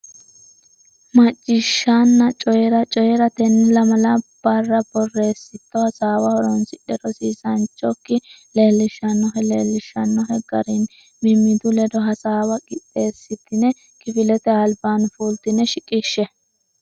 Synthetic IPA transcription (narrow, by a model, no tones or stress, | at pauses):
mɐt͡ʃʼːɪʃːanːɐt͡ʃʼɔjɛɾɐt͡ʃʼɔjɛɾɐt̪ɛnːɪlɐmɐlɐb̥ɐrːɐbɔrːe̞ːsːɪt̪ːɔhɐsaːwɐhɔɾɔnsɪᶑɛɾɔsiːsɐnt͡ʃʼːɔkːɪ | leːlːɪʃɐnːɔɦɛleːlːɪʃːɐnːɔɦɛɡɐ̰ɾin | mɪmːɪd̪ʊlɛd̪ɔɦɐsaːwɐɡʼɪtʼːe̞ːsːɪt̪ːɪnɛ | kɪfɪlɛt̪ɛɐlbaːnfuːlt̪ɪnɛʃɪkʼːɪʃːɛ